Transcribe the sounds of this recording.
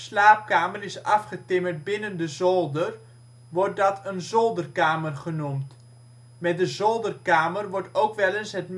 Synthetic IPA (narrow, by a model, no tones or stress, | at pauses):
slaːp̚kaːmərɪsɑfχətɪmərt̚bɪnəndəzolˠdər | ʋɔrt̚dɑtʰənzolˠdərkaːmərχənumt | mɛt̚dəzolˠdərkaːmərʋɔɹtowkʋɛlənsɦətm